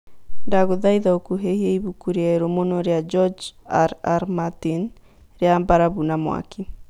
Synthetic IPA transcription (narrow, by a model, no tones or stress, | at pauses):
ndaɣoðaiðaokuɦehiɛiβukuɾeaeɾomonɔɾead͡ʒɔd͡ʒa̰ɾaɾmatin | ɾeambaɾaβunamo̰a̰kʰi